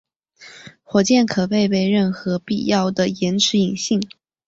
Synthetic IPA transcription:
xwɔ˨˩t͡ɕjɛ˥˩nkʰɤ˨˩pe˥˧ɪpe˥˧ɪɻə˥˩nxɤ˧˥pḭ˥˩jɑ˥˩ʊd̪ə˩jɛ˧˥nʈ͡ʂʰɻ̩˧˥i˨˩ŋɕi˥˩ŋ

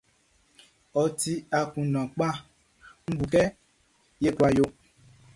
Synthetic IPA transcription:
ɔ˨ti˦a˨kũ˨nã˨k͡pa˦ | ŋ̩˦bu˨kɛ˦ | je˦kwa˨jo˦

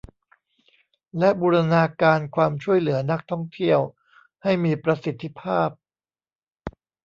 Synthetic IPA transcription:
lɛ˦˥ʔbuː˧ɾa˧naː˧kaː˧nkʰwaː˧mt͡ɕʰu˥˩əjlɯ˩˦ɐna˦˥k̚t̪ʰɔ˥˩ŋt̪ʰi˥˩əw | ha˥˩jmiː˧pɾa˧si˨˩t̪ʰːi˦˥pʰaː˥˩p̚

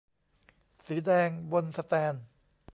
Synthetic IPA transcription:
siː˩˦dɛː˧ŋwo˧nsa˧t̪ɛː˧n

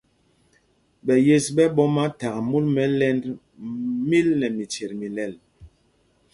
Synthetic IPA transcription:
ɓɛ˨je˦sɓɛ˦ɓɔ˦ma˦ta˨ɣmu˦lmɛ˨˦lɛ˦nd | mi˦lnɛ˨mi˨t͡ʃe˨ɾmi˨lɛ˨l

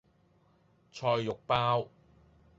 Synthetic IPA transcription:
t͡ʃʰɔː˧jːʊ˨k̚paː˥w

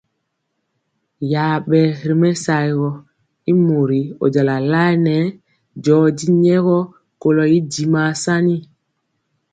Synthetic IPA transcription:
ja˨ɓɛ˨ɾi˨mɛ˦sa˨i˨ɣɔ˦ | i˦mo˨ɾi˨o̰˨d͡ʒa˨la˨la˦jnɛ˨˦ | d͡ʒɔː˨˦di˦ɲɛ˦ɣɔ˦ | ko˨lɔ˨i˦di˨ma˨sa˦ni˦

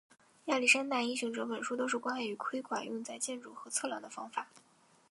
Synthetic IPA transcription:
ja˥˩li˥˩ʂa˥nt̪a˥˩i˥ŋɕ̬ʊ˧˥ŋʈ͡ʂɤ˧˥pə˨˩nʂu˥t̪o˥ʊʂɻ̩˥˩kwa˥na˥˧˩y˧˥kʰwe˥ɪkʰwa˨˩nʔʊ̰˥˧ŋt͡sa˥˧ɪt͡ɕjɛ˥˧nʈ͡ʂu˥˩xɤ˧˥t͡sʰɤ˥˧ljɑ̰˧˥˩ŋd̪ə˧˩fɑ˥ŋfa˨˩˦

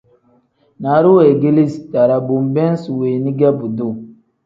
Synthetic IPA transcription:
na˨˦ɾu˦we˨ɡi˦li˦sta˨ɾa˨bu˨mbɛ˦n˦swe˨ni˦ɡɛ˦bu˨do˦˨

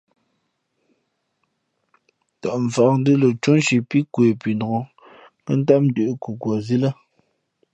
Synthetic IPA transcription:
tɔ˨ʔɱ̩˨fa˨k̚n̩˦dɨ˦lə˨t͡ʃu˦n˦ʃi˨pi˦kwe˨pi˨ndo˨o˨˦ | kə˦n̩˦ta˦m̚n̩˦dʉ˨ʔku˨kwɔ˨zi˦la˦

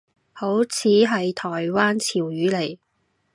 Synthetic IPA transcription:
ho˨˥wt͡sʰiː˨˥ɦɐ˨jt̪ʰɔː˨˩jwaː˥nt͡sʰiː˨˩wjyː˨˥le˨˩j

